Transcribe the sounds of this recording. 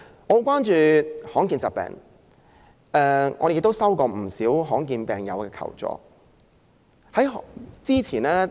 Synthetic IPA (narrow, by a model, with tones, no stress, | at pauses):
ŋɔː˨˧kʷaː˥nt͡ʃyː˧hɔː˨˥ŋkiː˧nt͡saː˨pɛ̰ː˨˧ŋ | ʔɛː˧ŋɔː˧de˨jɪ˧k̚t̪o˥wsɐ˥wkɔː˧m̩˨˩siː˨˥wɦɔː˨˥ŋk̬iː˧npɛː˨ŋjɐ̰˨˧wkɛː˧kʰɐ̰˨˩wt͡sɔ̰ː˨˧ | hɐ˨˥jɦt͡siː˥t͡sʰiː˨˩nɛː˥